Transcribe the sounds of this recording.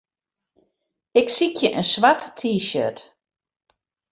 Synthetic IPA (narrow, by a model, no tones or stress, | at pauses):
ɪksikʰjəʔənsʋatːʰiːʃø̰t